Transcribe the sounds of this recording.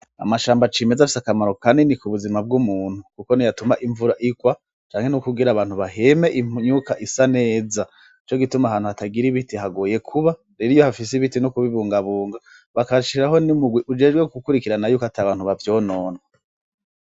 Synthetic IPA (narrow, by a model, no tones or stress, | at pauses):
a̰maʃaːmbat͡ʃiːme̞zafi̥sakamaɾo̞kanenikuβuzimab̚ɡumuːn̥hukuko̞nijatumaʔiɱvuɾaʔikwa | t͡ʃaːŋhe̞nukuɡiɾaβaːn̥huβaɦemeʔiɲukaʔisane̞ːza | it͡ʃo̞ɡitumaɦaːnhuhataɡiɾiβitiɦaɡoːje̞kʰuβa | ɾeɾijohafis̬iβitinokuβiβuːŋɡaβuːŋɡa | βakaʃiɾaɦo̞nimuɡwiʔud͡ʒe̞ːd͡ʒɡwekukuɾikiɾanajuːkoataβaːn̥huβavjo̞ːno̞ːnwa